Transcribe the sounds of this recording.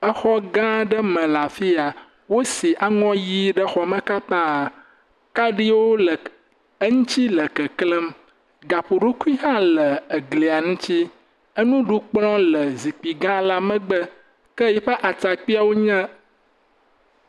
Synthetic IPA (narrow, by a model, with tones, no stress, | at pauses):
ə˦xɔ˦ɡã˦ɖə˦mə̃˨la˨fi˦a˨ | wo˦si˨ʔa˦ŋɔ̃˦ji˦ɖə˦xɔ˨mə̃˦ka˦t̪ã˦˨ | ka˦ɖi˦wo˦lə˨ | ə˦ŋũ˦t͡ɕi˦lə˨kə˨klə˦m | ɡa˨ɸu˨ɖo˦ku˦i˦ɦã˦lə˨ə˨ɡli˨a˨ŋũ˦t͡ɕi˦ | ə˦nũ˦ɖu˦k͡plɔ̃˦lə˨zi˨k͡pi˨ɡã˦la˦mə̃˦ɡ͡bə˦ | kə˦jɛ˦ɸə˦ʔa˨t͡sa˨k͡pi˦a˨wo˦ɲɛ̃˦